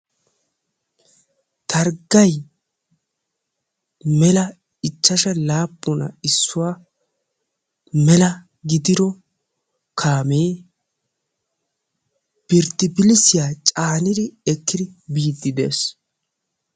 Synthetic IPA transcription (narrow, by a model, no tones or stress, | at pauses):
t̪ʰɐɾɡɐj | mɛlɐ | ɪt͡ʃːɐʃɐlaːpːʊnɐ̰ɪsːʊwaː | mɛlɐ | ɡɪd̪ɪɾɔ | kʰaːmeː | b̥ɪɾt̪ːɪbɪlɪsɪjaːt͡ʃʼaːnɪd̪ɪɛkːɪd̪ɪbiːd̪ːɪd̪e̞̰ːs